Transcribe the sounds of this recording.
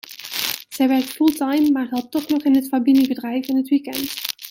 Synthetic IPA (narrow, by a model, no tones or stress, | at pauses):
z̥ɛjʋɛɹk̚tfulˠtɑjmːaːɹɦɛlˠp̚tɔχnɔχɪnɦətfabinibədrɛjfɪnɦətʋikɛnt